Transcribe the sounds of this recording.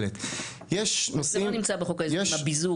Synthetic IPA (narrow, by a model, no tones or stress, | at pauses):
let̪ | jeʃnosilomnimt͡sabeχokaejeabizu